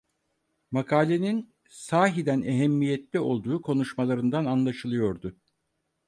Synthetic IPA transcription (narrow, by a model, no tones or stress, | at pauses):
makʰaːlʲenin | saːɦid̪æneɦɛmːijɛt̪lʲɛo̞lˠd̪uːkʰo̞nuʃmalˠaɾɯnd̪ananlˠaʃɯlˠɯjo̞ɾd̪ʊ